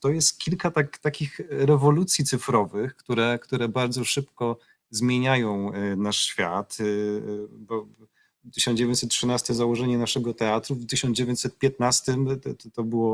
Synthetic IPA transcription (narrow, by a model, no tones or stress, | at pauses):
t̪ɔjɛst̪kʲilkat̪akt̪akʲixɾɛvɔlut̪sʲjit̪sɘfɾɔvɘxkt̪uɾɛkt̪uɾɛbaɾd̪zɔʂɘpkɔ | zmʲjeɲajɔ̃w̃naʂɕfʲjat̪ | bɔ | t̪ɘɕɔnd͡ʑevʲjẽɲt͡ɕʲsɛt̪̚tʂɨnast̪ɛzawɔʐɛɲɛnaʂɛɡɔt̪ɛat̪ɾuft̪ɘɕɔ̃nd͡ʑevʲjeɲt͡ɕ̪ʲsɛt̪̚pʲjɛt̪̚nast̪ɘmt̪ɔbɘwɔ